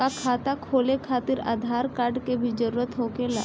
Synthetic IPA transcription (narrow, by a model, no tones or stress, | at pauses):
akʰat̪akʰolekʰat̪iːɾa̰d̪ʱaɾkaɾɖkebʱiːd͡ʒəɾuɾət̪ɦokela̰